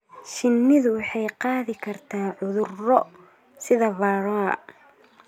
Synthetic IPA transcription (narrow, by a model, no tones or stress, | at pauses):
ʃɪnːɪðʊwɑħɑjqɑːðɪkʰɐrt̪ʰaːʕʊðʊrɔ | sɪðɐvɑːɾɔɐ̰